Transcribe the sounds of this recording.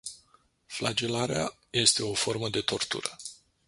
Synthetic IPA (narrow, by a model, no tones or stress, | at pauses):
flad͡ʒe̞laɾea | je̞st̪e̞o̞fo̞rməd̪e̞t̪o̞rt̪ṵɾə